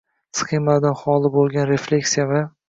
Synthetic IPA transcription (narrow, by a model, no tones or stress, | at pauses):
sχemad̪anχɒlˠɪbolˠɡʲanɾe̞flʲe̞kʲsijava